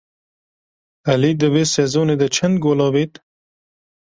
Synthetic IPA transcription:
alid̪əwesezoned̪ət͡ʃʰand̪ɡolɑːwit̪

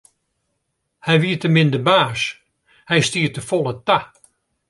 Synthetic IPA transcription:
hɛjʋiətəmɪndəbaːs | hɛjstiətəfolˠəta

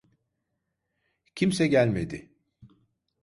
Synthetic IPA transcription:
cʰimsɛɟælʲme̞d̪ɪ

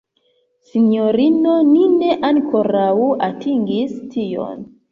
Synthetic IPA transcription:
sinoɾinonine̞ʔaŋkʰo̞ɾawuatʰiŋɡistʰijo̰n

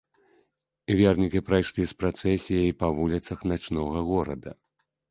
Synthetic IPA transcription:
vʲɛrnʲikʲipɾajʂlʲispɾat̪sɛsʲijɐjpɐvulʲit̪sɐxnat͡ʂnɔɣɐɣɔɾɐ̰d̪ɐ̰

